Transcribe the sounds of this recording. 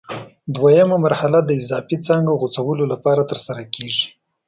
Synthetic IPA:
d̪wajəmamaɾhalad̪əɪzɑfit͡sɑŋɡaɣot͡sawəlolapɑɾat̪əɾsaɾakeʐi̥

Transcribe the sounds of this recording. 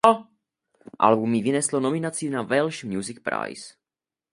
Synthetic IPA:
ʔa̰lbumjivɪnɛslonomɪnat͡sinavɛlʃmjuzɪk̚pɾa̰js

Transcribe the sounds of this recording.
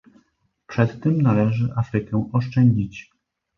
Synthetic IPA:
pʂɛt̪ːɘmnalɛʐɘʔafɾɘkɛɔʂt͡ʂɛɲd͡ʑit͡ɕ

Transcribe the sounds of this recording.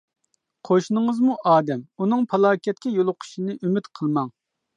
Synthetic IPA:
qʰoʃnɨŋəzmuʔɑːd̪ɛmunɨŋpʰɑlˠɑːkʲʰɛt̪̚ʲkʲʰɛjolˠʊqʰʊ̥ʃinɨʔymyt̪qʰəlˠmɑŋ

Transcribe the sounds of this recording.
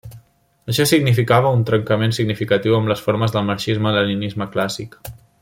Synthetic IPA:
əʃɔsiɡnifikaβ̞əunt̪ɾəŋkəmensiɡnifikət̪iwəmləsfoɾməzðəlˠməɾʃizmələlinizməklasik

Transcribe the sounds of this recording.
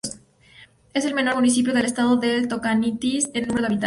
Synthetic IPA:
e̞se̞lme̞no̞ɾmunis̬ip̬jo̞ð̞e̞lest̪aðoðelt̪okanit̪isennːũmeɾaβit̪a

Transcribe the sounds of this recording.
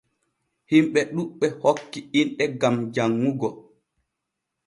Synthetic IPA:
himɓɛɗuɓːɛhokːiinɗɛɡamd͡ʒaŋːuɡɔ

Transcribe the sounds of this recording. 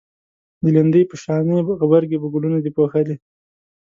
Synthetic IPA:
d̪əlind̪əjpəʃɑneɣbaɾɡebəɡulunad̪ipoxali

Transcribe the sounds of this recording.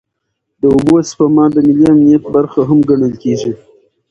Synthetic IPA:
d̪əʊboaspamɑd̪əmɪliamnijat̪̚baɾxaɦamɡaɳəlkeʒi

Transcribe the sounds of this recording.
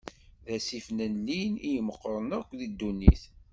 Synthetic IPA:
ðæsifnænːinijməqːɾˤənækʷːðid̪ːunːiθ

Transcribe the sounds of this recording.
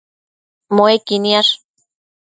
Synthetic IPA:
moekiniaʂ

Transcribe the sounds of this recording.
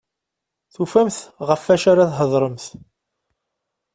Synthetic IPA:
θufæmθʁəfːæʃaɾaðɦəðˤɾˤəmθ

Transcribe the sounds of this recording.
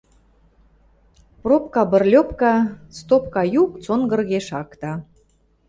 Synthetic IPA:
prop̚kɑbə̆rlʲopkɑst̪op̚kɑjukt͡sonɡə̆rɣeʃɑkt̪ɑ

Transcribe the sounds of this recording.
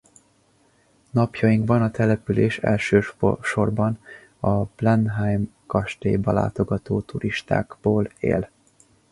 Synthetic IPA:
nɒpjɒjiŋkbɒnɒt̪ɛlɛpyleːʃɛ̰lʃøːʃo̞rbɒn | ɒb̥lɛnɦajmkɒʃt̪ḛːbɒla̰ːt̪o̞ɡɒt̪oːt̪uɾiʃt̪a̰ːɡboːlḛːl

